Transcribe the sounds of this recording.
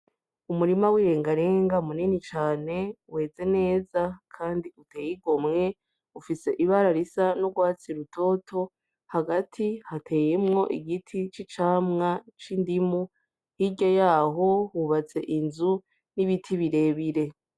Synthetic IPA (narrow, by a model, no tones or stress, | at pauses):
umuɾimawiːɾe̞ːŋɡaɾe̞ːŋɡamuninit͡ʃaːne̞we̞ːze̞ne̞ːzakʰaːndiutʰe̞ːjiɡo̞mŋe̞ | ufise̞ʔiβaɾaɾisanoɡwaːt͡siɾutʰo̞tʰo̞ | haɡatʰihatʰe̞ːjemŋo̞ʔiɡitʰit͡ʃit͡ʃaːmŋat͡ʃindimu | hiɟojaːɦo̞huβat͡se̞ʔinzu | niβitʰiβiɾe̞ːβiɾe̞